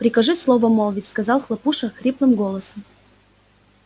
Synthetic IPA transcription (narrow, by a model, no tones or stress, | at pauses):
pɾʲɪkɐʐɨslˠovəmolˠvʲɪtʲskɐzɑlˠxlˠɐpuʂəxɾʲiplˠɨmɡolˠəsəm